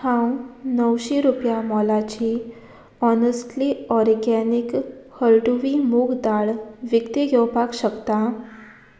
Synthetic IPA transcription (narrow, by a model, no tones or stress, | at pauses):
hãwnəwɕeɾupjamɔlat͡ɕi | ɔnəsʈliɔɾɡɛnikhəlʈuʋimuɡd̪aɭʋjəkt̪iɡʱewpakɕəkt̪a